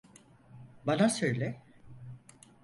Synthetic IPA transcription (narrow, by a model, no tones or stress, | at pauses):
banasøjlʲɛ